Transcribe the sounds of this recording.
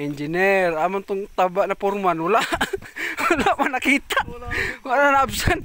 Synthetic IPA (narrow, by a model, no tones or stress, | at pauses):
iɲd͡ʒinɛramant̪uŋt̪abaʔnapɔrmanulaʔulaʔmanakit̪aʔuaʔnnanaːbsan